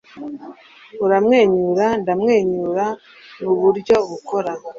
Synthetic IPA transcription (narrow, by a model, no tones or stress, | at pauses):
uɾamŋe̞ːɲuɾandamŋe̞ːɲuɾa | nuβuɾɟo̞βuko̞ɾa